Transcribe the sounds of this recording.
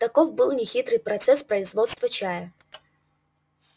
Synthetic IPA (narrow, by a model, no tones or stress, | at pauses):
t̪ɐkovbɨlˠnʲɪxʲit̪ɾɨjpɾɐt̪sɛspɾəɪzvot̪st̪vət͡ɕajə